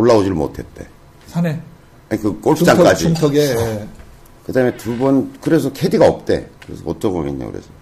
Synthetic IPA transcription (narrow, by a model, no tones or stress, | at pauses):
oɭːaod͡ʑimo̰tʰe̞t̚t͈e̞ | sʰane | aɲikɯk͈oɭp͈ʰaŋʰk͈ad͡ʑitʰʌɡe | kɯdaɦɯme̞tubʌnkɯɾe̞sʰʌkʰediɡaʌp̚t͈e̞̰kɯɾe̞sʰʌott͡ɕ͈ʰʌbomiɲːo̰kɯ̰ɾḛsʰʌ